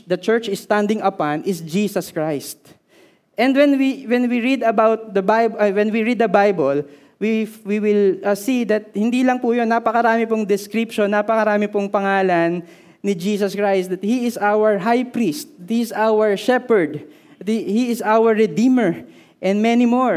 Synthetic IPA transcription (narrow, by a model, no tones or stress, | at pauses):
d̪ɐt͡ʃɛɹt͡ʃɪsːt̪and̪ɪŋɐpanʔɪsd͡ʒiːsɐskɹajst̪̚ | ʔɛ̃nd̪wɛ̃nwiwɛnwiɹid̪ɐbawt̪̚d̪ɐbajbwɛnwiɹid̪ːɐbajbol | wiwiwɪlsid̪ɐt̪̚hɪnd̪iːlɐŋpʊjonːapɐkɐɾaːmɪpʊŋd̪ɛskɾipʃonːapɐkɐɾaːmɪpʊŋpɐŋaːlɐnː | ɪd͡ʒiːsɐskɹajst̪̚d̪ɐt̪̚hiɪsawəɹɦajpɾist̪̚t̪hiɪsawɛɹʃɛpɛɹd̪ | hiɪsawɛɹːɛd̪ĩːmɛɹ | ʔɛ̃nd̪mɛnimoɹ